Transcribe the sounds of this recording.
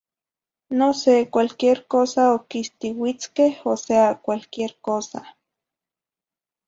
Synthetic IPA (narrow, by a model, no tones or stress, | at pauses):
nosekʷalkieɾkoːsaokist̪iwit͡skehoseakʷalkieɾkoːsa̰